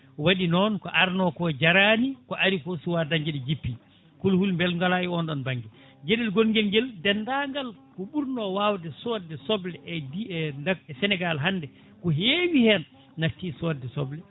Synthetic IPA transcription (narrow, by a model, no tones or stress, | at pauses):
waɗinɔnkɔʔaɾnɔkɔd͡ʒaɾanikɔʔaɾikɔsuwadaɲd͡ʒɛɗɛd͡ʒipːi | kulhulmbɛlŋɡalajɛɔnɗɔnbaŋɡɛ | d͡ʒeɗɛlɡolɡɛlɡɛldɛndaŋɡalkɔɓuɾnɔwawdɛsɔdːɛsɔblɛʔɛdiɛndaɡɛsɛnɛɡalɦandɛ | kɔɦeːwihɛnː | atːisɔdɛsɔblɛ